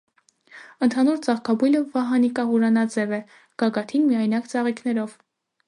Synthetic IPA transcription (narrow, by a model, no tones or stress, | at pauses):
ənt̪ʰɑnuɾt͡sɑχkʰɑbujləvɑɦɑnikɑɦuɾɑnɑd͡zɛvɛ | ɡ̥ɑɡɑt̪ʰinmijɑjnɑkt͡sɑʁikʰn̪ɛɾɔv